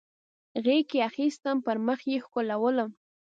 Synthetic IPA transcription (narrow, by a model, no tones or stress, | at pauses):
ɣekeaxist̪əmpəɾməxjexkolawələm